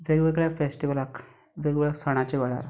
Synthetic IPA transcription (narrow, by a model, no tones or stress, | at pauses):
ʋeɡʋeɡɭafesʈiʋəlak | ʋeɡʋɭaksəɽ̃at͡ɕeʋəɭa̰ɾ